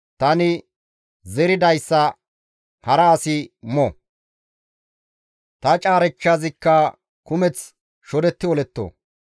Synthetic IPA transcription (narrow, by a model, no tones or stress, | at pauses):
t̪ɐnɪ | zɛɾɪd̪ɐjsːɐ | hɐɾɐːsɪmɔ | t̪ɐt͡ʃʼaːɾɛt͡ʃːaːzɪkːɐ | kʊmɛt͡s | ʃɔd̪ɛt̪ːɪwɔlɛt̪ːo̰